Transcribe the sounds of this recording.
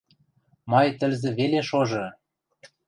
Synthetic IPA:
mɑjt̪ə̆lzĕβeleʃoʒɤ̆

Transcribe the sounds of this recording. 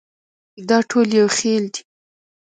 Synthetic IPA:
d̪ɑʈʰoljawxeld̪i̥

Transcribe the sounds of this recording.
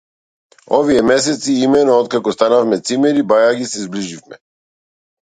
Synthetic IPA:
ɔviɛmɛs̬ɛt̪siimɛnɔɔt̪̚kakɔst̪anafmɛt̪simɛɾibajaɡisɛzbliʒifmɛ

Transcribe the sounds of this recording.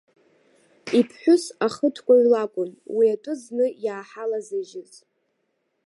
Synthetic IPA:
ipʰħʷᶣʊsaχətʰkʷʼaɥlakʷʼʊnwiatʷʼʊznɨjaːħalazɨʒɪz

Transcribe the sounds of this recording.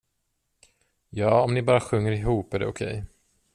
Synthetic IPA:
jɑːɔmnɪbɑːɾaɧɵŋːəɾɪɦuːpæɖɛ̰ʊkʰɛ̰j

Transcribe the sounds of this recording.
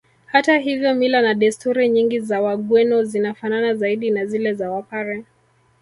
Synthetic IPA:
hataɦivjɔmilanaɗɛstuɾiɲiŋɡizawaɠwɛnɔzinafananazaiɗinazilɛzawapaɾɛ

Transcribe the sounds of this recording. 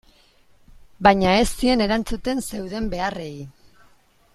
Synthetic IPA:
baɲae̞st̪ie̞ne̞ɾant͡sut̪e̞nse̞wðe̞mbe̞are̞i

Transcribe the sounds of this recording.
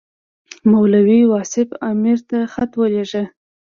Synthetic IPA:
mawlawiwɑsɪfɑmiɾt̪axat̪wəleʒə

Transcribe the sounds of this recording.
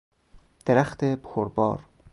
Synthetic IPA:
d̪̥eɾæxt̪ʰebxʰoɾbɒ̰ːɾ

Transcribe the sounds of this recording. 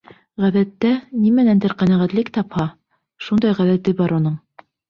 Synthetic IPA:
ʁæðæt̪ːænimænænd̪ɘɾqænæʁæt̪lɘkt̪ɑphɑ | ʃund̪ɑjʁæðæt̪ɘbɑɾunɤɴ

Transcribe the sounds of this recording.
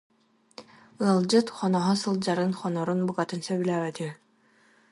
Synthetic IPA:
ɯɐlˠd͡ʑɯt̪χɔnɔɦɔsɯlˠd͡ʑaɾɯnχɔnɔɾunbuɡat̪ɯnsœbylæːbɛt̪i

